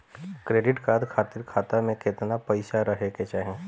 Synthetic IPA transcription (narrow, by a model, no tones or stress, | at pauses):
kɾeːɖɪʈkaːd̪kʰaːt̪ɪɾkʰaːt̪amẽket̪napəɪʃaɾəɦeket͡ʃaːɦẽ